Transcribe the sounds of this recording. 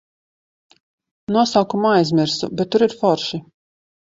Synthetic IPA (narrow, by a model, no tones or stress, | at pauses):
nuɔsawkumajzmʲiɾsṵbʲeɛt̪ːuɾiɾfɔɾʃi